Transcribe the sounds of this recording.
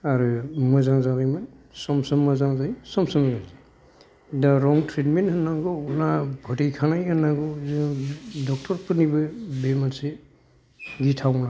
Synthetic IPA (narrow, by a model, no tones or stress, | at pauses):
aɾɯmɯzaŋzaɡajmɯnsɔmsɔmːazaŋzajsɔmsɔmːazaŋ | daɾɔŋtɾitmenthɯnːaŋɡɔunabʱɔtijkʰanajɯnːaɡɔzɯdɔk̚tʰɔɾpɯnibɯbemanse | ɡitʰawna